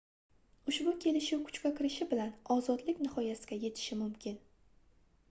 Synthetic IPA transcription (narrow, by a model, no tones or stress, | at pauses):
ʊʃbʊkʲʰe̞lɪʃɪwkʰʊ̥t͡ʃkʲakʲʰɪɾɪʃɪbɪlanɒzɒd̪lɪkʲnɪχɒjasɪ̥ɡʲaje̞t̪ʰɪ̥ʃɪmʊmkʲʰɪn